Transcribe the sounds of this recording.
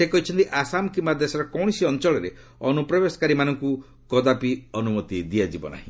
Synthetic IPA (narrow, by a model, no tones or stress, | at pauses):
sekɔɦit͡ʃʰɔnt̪iʔasamɔkimad̪esɔɾɔkɔwɽ̃isiɔnt͡ʃɔɭɔɾe | ɔnupɾɔbesɔ̥kaɾimanɔŋku | kɔd̪apiɔnumɔt̪id̪iad͡ʒibɔ̰na̰ɦḭ̃